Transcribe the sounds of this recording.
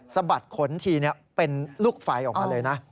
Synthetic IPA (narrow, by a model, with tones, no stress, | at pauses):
sa˧ba˨˩t̪̚kʰo˨˩˦nt̪ʰiː˧ni˥˩ɐpe˧nlu˥˩k̚faː˧jʔɔː˨˩maː˧lɤː˧jna˦˥